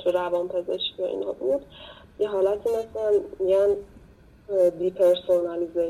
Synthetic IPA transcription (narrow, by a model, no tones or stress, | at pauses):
t̪ʰuɾævɒːnpʰezeʃkijɒʔḭnhɒbuːd̪̥ | jeɦɒːlæt̪ʰiːmæslænmiɟæn | d̪iːpʰeɾsonælize